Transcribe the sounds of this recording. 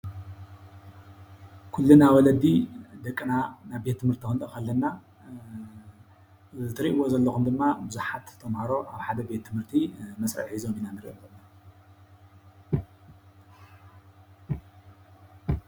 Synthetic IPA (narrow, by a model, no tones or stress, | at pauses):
kʰulːunawɔlɐd̪id̪ɐkʼːɨnanaβbet̪ʰːɨmhɨɾt̪ʰikɨnt̪ʼɐkalːɐnːa | ɨt̪ʰɨɾiʔwo̞zɐlːɐxumd̪ɨmːabɨzuħat̪ʰːɐmhaɾo̞ʔaβħad̪ɐbe̞t̪ːʰɨmhɨɾt̪ʰimɐsɾɐ̰ʕħizo̞minanɨɾḭʔokɐnːa